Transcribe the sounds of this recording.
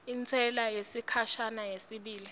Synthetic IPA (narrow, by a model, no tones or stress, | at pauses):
int͡sʰɛlajesikʰaʃanajesiɓiːli